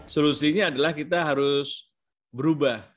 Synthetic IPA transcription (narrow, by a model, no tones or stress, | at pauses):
solusiɲaːdalahkit̪aɦaɾʊs | bəɾubah